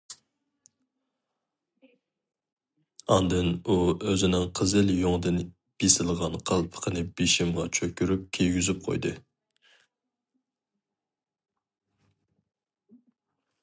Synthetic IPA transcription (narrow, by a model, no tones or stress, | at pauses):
ɑnd̪ɨnuøzɪnɪŋqʰəzɪljoŋd̪ɨn | b̥esɪlˠʁɑnqʰɑlˠpʰə̥qʰənɨb̥iʃimʁɑt͡ʃʰøkʲyɾyp̚kʲʰejɡʲyzyp̚qʰo̰jd̪ɨ